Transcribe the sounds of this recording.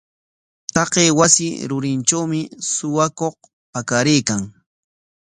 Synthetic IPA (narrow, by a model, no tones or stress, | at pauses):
t̪ɑqeːwasɪɾʊɾɪnʈ͡ʂawmɪsʊwakoχ | pakaɾɪjkaŋ